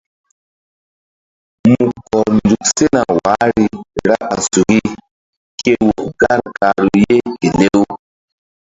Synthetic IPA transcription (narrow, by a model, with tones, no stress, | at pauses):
mu˨kɔ˨ɾndu˨kse˦na˨wa˨˦ɾi˦ɾa˦a˨su˨ɡi˦ | ke˦wo˨ɡa˦ɾka˨ɾu˨je˦ke˨le˦w